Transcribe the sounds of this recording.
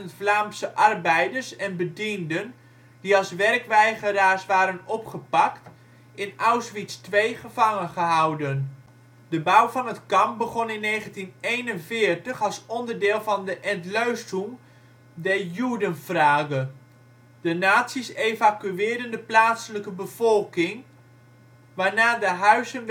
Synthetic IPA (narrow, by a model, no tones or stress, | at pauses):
əntflaːmsəʔɑrbɛjdəɹsɛnbədindən | diɑlˠsʋɛrkʋɛjχəɾaːɹsʋaːɾənɔpχəpɑkt | ɪnawsʋitstʋejχəv̥ɑŋənχəɦʌwdən | dəbʌwvɑnətkɑmbəχɔnɪnːejχəntinejnənvɪːɹtəχɑlˠsɔndəɹdɪːlˠvɑndəʔɛntløɥstum | dɛɹjudənv̥raːɡə | dənaːtsisejvakyɪːɹdəndəplaːtsələkəbəv̥ɔlˠkɪŋ | ʋaːɹnaːdəɦœɥzən